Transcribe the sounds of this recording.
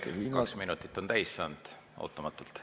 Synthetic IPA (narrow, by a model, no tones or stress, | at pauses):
ḛinɑksminut̪ːˑit̪ːˑo̞nt̪æjsːɑnd̪̥ | ɑ̰t̪ˑːɑmɑt̪ːˑult̪